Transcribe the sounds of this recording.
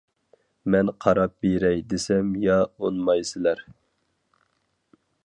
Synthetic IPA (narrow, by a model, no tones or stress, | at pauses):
mɛnqʰɑɾɑp̚beɾɛjd̪esɛmjɑonmɑjsɪlæɾ